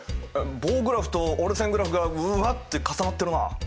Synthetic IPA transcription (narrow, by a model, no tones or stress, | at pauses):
boːɡɯ̟ɾaɸɯ̥t̪ooɾesẽŋɡɯ̟ɾaɸɯ̟ɡaɯβat̪ːe̞kasanat̪ːeɾɯ̟na̰